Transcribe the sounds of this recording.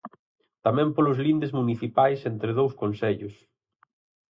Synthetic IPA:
t̪amɛ̃mpolʊzlind̪ezmuniθipajsent̪ɾɪð̞owskõnsɛʎʊs

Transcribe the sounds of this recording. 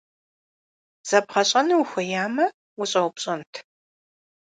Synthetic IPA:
z̥ɐbʁɐɕʼɐnɨwxʷɐjaːmɐ | wʊɕʼɐwpɕʼɐntʰ

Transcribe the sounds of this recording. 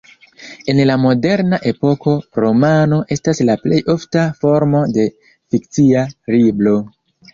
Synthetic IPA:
e̞nlamo̞de̞ɾnaʔe̞po̞ko̞ɾo̞mano̞ʔe̞staslaple̞jʔo̞ftafo̞ɾmo̞de̞ | fik̚t͡siaɾiblo̞

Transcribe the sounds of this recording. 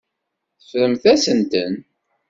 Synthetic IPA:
θəfɾəmθæsənt̪ən

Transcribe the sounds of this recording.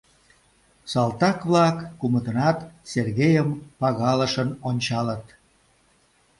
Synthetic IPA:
sɑlt̪ɑkβlɑkːumət̪ənɑt̪serɣejəmpɑɣɑləʃənonʲt͡ɕɑlət̪

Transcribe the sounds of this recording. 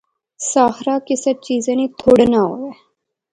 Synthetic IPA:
saːxɾaːkɪsət͡ʃiːzẽːnĩːt̪ʰoɽnaːɦo̰ːɛː

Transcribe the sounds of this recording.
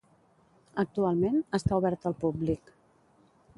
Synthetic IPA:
ək̚t̪ualˠmenəst̪auβɛɾt̪əlˠpublik

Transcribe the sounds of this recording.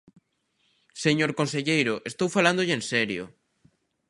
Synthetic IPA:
seɲoɾkonseʎejɾʊʔest̪owfaland̪oʎɪensɛɾjo̰

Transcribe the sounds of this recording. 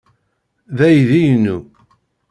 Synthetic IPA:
ðæjðijnːu

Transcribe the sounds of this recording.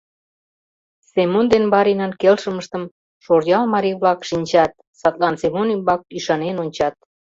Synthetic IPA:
semond̪enbɑɾinɑnkelʃəməʃt̪əm | ʃorjɑlmɑɾiβlɑkʃinʲt͡ɕɑt̪̚ | sɑt̪lɑnsemonymbɑk̚yʃɑnenonʲt͡ɕɑt̪̚

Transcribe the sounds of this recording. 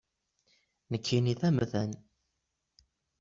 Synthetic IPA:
nəkʰːiniθæmðæn

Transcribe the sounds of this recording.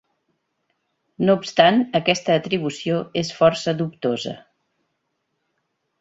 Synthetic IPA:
noupst̪anəkɛst̪əːt̪ɾiβ̞usioesfɔɾsəðup̚t̪ozə̰

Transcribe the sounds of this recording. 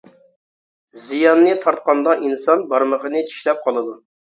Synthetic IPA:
zijɑnːɨt̪ʰɑɾt̪̚qɑnd̪ɑʔinsɑnbɑɾməʁənɨt͡ʃʰi̥ʃlɛp̚qʰɑlˠɨd̪u

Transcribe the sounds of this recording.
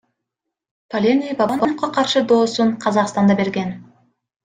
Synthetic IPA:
pʰɐlʲenʲijbɑbɑnbɑnqɑqʰɑɾʃɯd̪o̞ːsuɴqʰɑzɑqst̪ɑnd̪ɑbe̞ɾɡen

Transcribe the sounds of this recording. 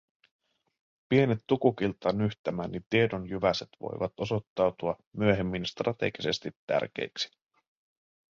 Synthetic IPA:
pie̞net̪ːukuk̟ilt̪ːɑnyçt̪æmæːnnit̪iedonjyʋæset̪ʋo̞̰jʋɑt̪o̞so̞t̪ːɑwt̪uɑ | myøɦe̞mːinst̪rɑt̪e̞ɡise̞st̪it̪ːæ̰rk̟e̞̰jksi̥

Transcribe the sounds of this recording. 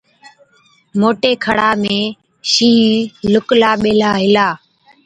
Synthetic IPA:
moːʈeːkʰəɽaːmẽː | ʃĩːlʊklaːɓeːlaːɦɪlaː

